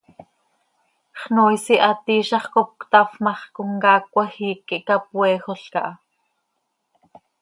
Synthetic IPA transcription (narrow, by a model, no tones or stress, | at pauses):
χnoːjsiʔɑt̪iːʃɑχkop̚kt̪ɑfmɑχkoŋkɑːk̚ʷɑxiːkːiʔkapwɛːxoɬkɑ̰ʔɑ